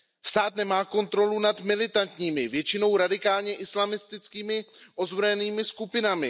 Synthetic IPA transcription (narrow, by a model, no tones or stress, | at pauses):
st̪aːt̪nɛmaːko̞nt̪ɾo̞lunad̪mɪlɪt̪ant̪ɲiːmɪvjɛt͡ʃɪno̞wɾadɪkaːlɲɛʔɪslamɪst̪ɪt͡skiːmɪʔo̞zbɾojɛniːmɪskupɪnamɪ